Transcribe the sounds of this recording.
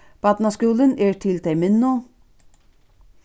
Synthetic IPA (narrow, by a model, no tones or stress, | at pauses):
b̥ɑːt̪nɑskuːlənɛːɹt̪ʰɪlt̪ʰɛɪmɪnːu